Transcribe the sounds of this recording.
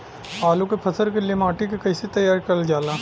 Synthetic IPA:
aːlukepʰɐsəɾkeliemaːʈikekɐɪsit̪ɐjaːɾkɐld͡ʒaːlaː

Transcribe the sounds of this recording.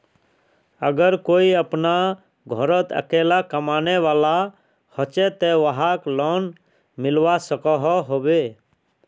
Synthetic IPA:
əɡəɾkoːiəpna | ɡʱɔɾət̪ə̰keːlakəmaːneʋaːla | hɔt͡ʃɛt̪eʋəɦaklɔn | mɪlwasəkɔɦɔɦoːbe

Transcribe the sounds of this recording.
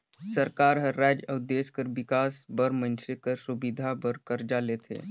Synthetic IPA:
səɾkaːɾɦəɾːad͡ʒəʊd̪eːskəɾʋɪkaːsbəɾmə̃nsikəɾsubid̪ʱabəɾkəɾd͡ʒalet̪ʰḛː

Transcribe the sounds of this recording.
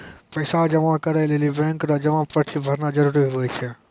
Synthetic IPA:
pɐɪsad͡ʒɐʋãkɐɾəlelibɛ̃ːŋkɾad͡ʒɐʋãpɐɾt͡ʃʰibʱɐɾnad͡ʒɐɾuːɾiɦojt͡ʃʰɛ

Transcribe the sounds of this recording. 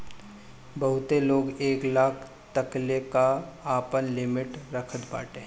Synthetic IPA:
bɐɦʊt̪eloːɡeːklaːkʰ | t̪əklekaaːpənlɪmɪʈɾəkʰət̪ba̰ːʈẽ

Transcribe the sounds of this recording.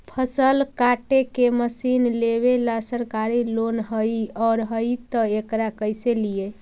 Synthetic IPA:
pʰəsəlkaʈekeməsinleβelasəɾkaɾilonɦəjɔɾɦəjt̪əekɾakəjselije

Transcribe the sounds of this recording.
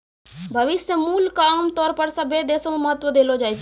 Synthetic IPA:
bʱəʋɪsjəmuːlkaːmt̪ɔːɾpəɾsəbʱed̪eːsomẽməɦət̪ːʋəd̪eːlod͡ʒaːjt͡ʃʰ

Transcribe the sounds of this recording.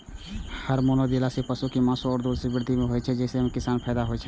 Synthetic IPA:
həɾmoːnod̪elasepəsukimãːsoɔːɾd̪oːlsebɪɾd̪ʱimẽɦoːɛt͡ʃʰɛd͡ʒɛːsemẽkɪsaːnpʰɛːd̪aɦoɛt͡ʃʰɛ

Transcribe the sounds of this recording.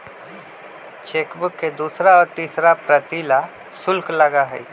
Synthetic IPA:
t͡ʃeːkbʊkːed̪uːsɾaɔːɾt̪iːsɾapɾət̪iːla | sʊlklɐɡaɦɛ̰

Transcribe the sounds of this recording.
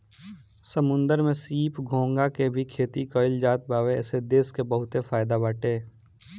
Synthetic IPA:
səmʊ̃nd̪əɾmẽsiːpɡʱõːŋɡakebʱikʰeːt̪ikɔːɪld͡ʒaːt̪̚baːʋḛːsed̪eːskebəɦʊt̪efaːɪd̪abaːʈeː

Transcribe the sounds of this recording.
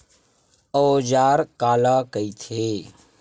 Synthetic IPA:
ɔːd͡ʒaːɾkaːlaːkəit̪ʰeː

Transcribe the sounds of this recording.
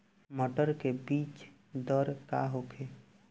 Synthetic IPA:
məʈəɾkebiːt͡ʃ | d̪əɾkaɦokʰe

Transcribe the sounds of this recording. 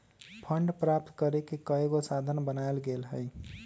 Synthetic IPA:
pʰəɳɖpɾap̚t̪kəɾekekəeɡosad̪ʱənbənaelɡelɦəj

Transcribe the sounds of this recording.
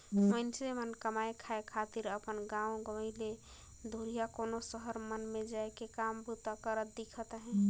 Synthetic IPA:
mənsemənkəmaekʰaekʰat̪iɾəpənɡãõɡəməɪle | d̪ʱuɾijakonosəɦəɾmənmed͡ʒaekekambut̪akəɾət̪̚d̪ikʰət̪ɦɛ̃

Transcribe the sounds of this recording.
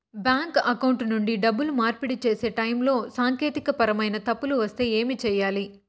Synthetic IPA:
bjaːŋkɐkɐwɳʈnuɳɖiɖɐbːulumaːɾpiɽit͡ʃe̞ːse̞ːʈɐjmlo̞ːsaːŋke̞ːt̪ikɐpɐɾɐmɐjnɐt̪ɐpːuluʋɐst̪e̞ːe̞ːmit͡ʃɛːjːaːli

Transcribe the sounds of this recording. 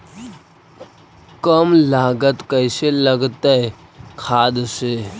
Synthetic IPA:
kəmlaːɡət̪kəɪseləɡt̪əe | kʰaːd̪se

